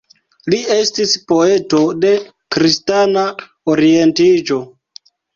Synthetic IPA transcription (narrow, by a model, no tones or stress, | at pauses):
lie̞stispo̞e̞to̞de̞ | kɾistana | oɾie̞ntid͡ʒo̞